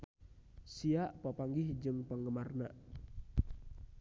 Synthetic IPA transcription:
siaʔpəpaŋɡɪhd͡ʒɨŋpəŋɡəmarna

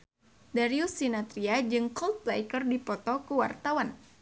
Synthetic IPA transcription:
daɾiusinat̪ɾiad͡ʒɨŋkɔlt̪̚plajkərdipɔt̪ɔkuwart̪awan

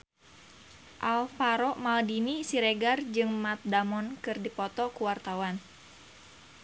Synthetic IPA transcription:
ʔalfaɾɔʔmaldinisiɾeɡard͡ʒɨŋmat̪̚damɔnkɨrdipɔt̪ɔkuwart̪awan

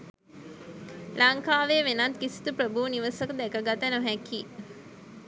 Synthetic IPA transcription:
lʔaŋkaːʋeʋenat̪kisi̥t̪upɾəbuniʋəsəkəd̪ækəɡat̪ənoɦæki

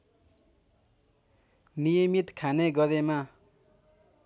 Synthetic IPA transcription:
nijʌmit̪kʰaneɡʌd̪ema

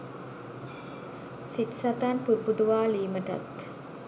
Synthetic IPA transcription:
sit̪sat̪anpuɾbud̪uʋaːliːməʈa̰t̪

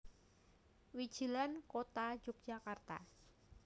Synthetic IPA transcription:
wi̥d͡ʒ̥i̤lankot̪ḁd͡ʒʊk̚d̥ʒ̥akart̪a̰

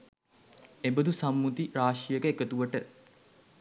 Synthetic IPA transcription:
ebəd̪usamːut̪iɾaːʂijəkəekət̪uʋəʈə

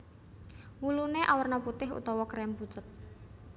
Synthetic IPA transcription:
wuluneʔawərnɔput̪ɪɦṵt̪ɔwɔkɾɛmput͡ʃət̪̚

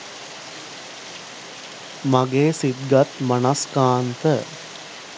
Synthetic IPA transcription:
maɡeːsid̪ɡat̪manaskaːnt̪ə

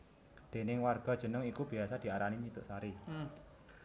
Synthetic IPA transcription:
d̪̥e̤nɪŋwarɡ̥ɔ̤d̥ʒ̥ə̤nəŋikub̥iasad̪̥i̤aɾaniɲit̪ʊʔsaɾi

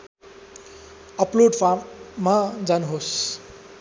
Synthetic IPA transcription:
ʌploɖpʰamad͡zanɦos

